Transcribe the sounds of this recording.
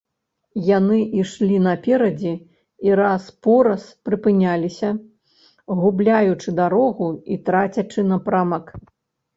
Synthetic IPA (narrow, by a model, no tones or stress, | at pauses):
janɨʔiʂlʲinɐpʲɛɾɐd͡zʲɛ | iɾaspɔɾɐspɾɨpɨnʲalʲisʲɐ | ɣublʲajut͡ʂɨd̪aɾɔɣuit̪ɾat͡sʲɐt͡ʂɨnɐpɾamɐk